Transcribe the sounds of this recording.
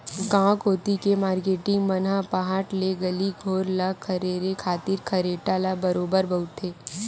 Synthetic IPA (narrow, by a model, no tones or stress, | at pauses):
ɡãːkɦoːt̪ikemaːɾkeːʈɪ̃ŋɡmɐnapɐɦaːʈleɡɐliɡʱoːɾlakʰɐɾeːɾekʰaːt̪ɪɾkʰɐɾeːʈalabɐɾoːbəɾbɐʊt̪eː